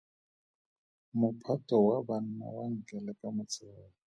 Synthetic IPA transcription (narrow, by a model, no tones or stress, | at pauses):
mʊpʰatʼɔwaban̩na̰waŋ̩kʼɛlɛkʼamʊt͡sʼɛːlɔ